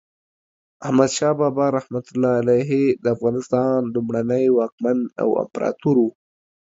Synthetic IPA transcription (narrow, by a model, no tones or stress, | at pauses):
ahmad̪ʃɑbɑbɑɾahmat̪ʊlːɑalajɦed̪əafɣɑnɪst̪ɑnlumɽanəjwɑk̚mand̪a̰wa̰mpɾɑ̰t̪uɾwu